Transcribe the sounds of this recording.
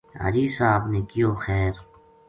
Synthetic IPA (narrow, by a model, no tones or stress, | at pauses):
a̰d͡ʒiːsaːbnekijoːxɛːɾ